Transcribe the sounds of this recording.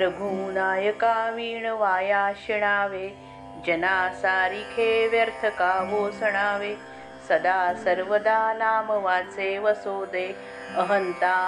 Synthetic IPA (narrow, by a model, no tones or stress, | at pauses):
ɾɐbʱuːnaːjɐkaːʋiːɳɐʋaːjaːʃiɽ̃aːʋeː | d͡ʒɐnaːsaːɾikʰeːʋjɐɾt̪ʰɐkaːboːsɐɳ̃aːʋeː | sɐd̪aːsɐɾʋɐd̪aːnaːmɐʋaːt͡seːʋɐsoːd̪eː | ɐɦɐnt̪aː